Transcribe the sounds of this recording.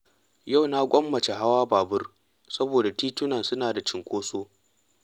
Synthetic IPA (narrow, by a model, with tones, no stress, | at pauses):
ja˦˨wna˦ɡʷʼɔ˦mːɐ˨t͡ʃe˨ɦa˦waː˦baː˨bʊ˦r | sɐ˦boː˨da˨tiː˦tʊ˦nɐ˨nsʊ˦naː˨da˨t͡ʃɪ˨ŋkʷoː˦soː˦